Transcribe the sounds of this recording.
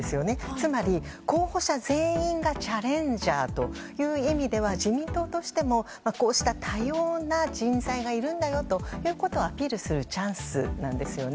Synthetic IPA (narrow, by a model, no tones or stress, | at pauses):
esɨjo̞ne̞t͡sɨmaɾʲiko̞ːho̞ɕazẽ̞ːĩŋɡat͡ɕaɾẽ̞ɲd͡ʑaːt̪o̞jɯ̟ːimʲid̪e̞β̞aʑimʲĩnt̪o̞t̪o̞ɕi̥t̪e̞mo̞ | mako̞ːɕi̥t̪at̪ʰajoːnad͡ʑĩnzaiɡaiɾɯ̟̃nd̪ajo̞t̪o̞jɯ̟ːko̞t̪o̞ːapʲiːɾɯ̟sɨɾɯ̟t͡ɕãɰ̃sɨ̰nã̰nd̪e̞sɨjo̞n